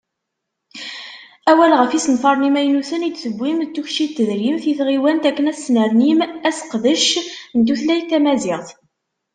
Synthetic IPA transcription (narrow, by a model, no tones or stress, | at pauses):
æwælʁəfisənθɑɾˤnimæjnusənit͡s̪səbːimt̪ːuçʃit̪ːəðɾimθiθʁiwænt̪ækːənæsːnəɾnimæsə̥qðəʃnt̪uθlæjt̪ːæmæzɪʁθ